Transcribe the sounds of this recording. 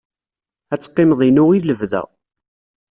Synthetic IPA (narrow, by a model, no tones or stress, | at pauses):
æt͡sːqːɪmðˤinʊʁiləvðæ̰